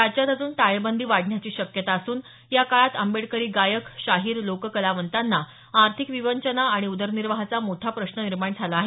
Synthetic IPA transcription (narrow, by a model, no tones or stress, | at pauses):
at͡ɕjat̪əd͡zuːnʈ̪ajbənd̪ʱiːʋaɽʱɳjat͡ɕiːɕəkjət̪aːsuːn | jakaɭat̪əmbeɽkəɾiːɡajəkɕaɦiːɾlokkəlaʋənt̪anːa | aɾt̪ʰikʋiʋəɲt͡ɕənaaɽ̃iud̪əɾniɾʋəɦat͡samoʈʰapɾəɕnəniɾmaɳd͡zʰʱalaːɦe